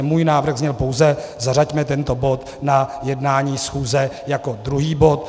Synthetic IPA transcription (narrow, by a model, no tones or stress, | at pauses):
muːjnaːvɾ̩ɣzɲɛlpowzɛzaracmɛt̪ɛnt̪o̞bo̞t̪ | najɛdnaːɲiːsxuːzɛjako̞d̪ɾuɦiːbo̞t̪̚